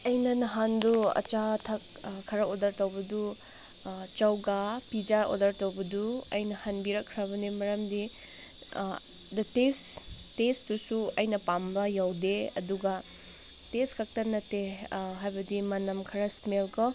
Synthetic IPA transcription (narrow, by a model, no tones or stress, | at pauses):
ɐjnɐnɐɦanduɐ̰t͡ʃatʰɐk̚ | kʰːɐɾɐodɐɾtɐwbɐdu | t͡ʃɐwɡapid͡ʒaʔo̰dɐɾtɐwbɐduɐjnɐhanbiɾɐkʰːɾɐβɐnemɐɾɐmdi | dɐtes | tesdusuɐjnɐpambɐjawdeɐ̰duɡɐ | teskʰɐk̚tɐnɐteɦajbɐdimɐnɐmkʰɐɾɐsmelkɔ